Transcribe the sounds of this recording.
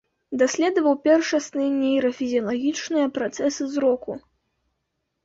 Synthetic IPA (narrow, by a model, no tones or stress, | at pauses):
d̪asʲlʲɛd̪ɐvɐwpʲɛrʂɐsnɨnʲɛjɾɐfʲizʲijɐlˠaɣʲit͡ʂnɨjɐpɾat̪sɛsɨzɾɔku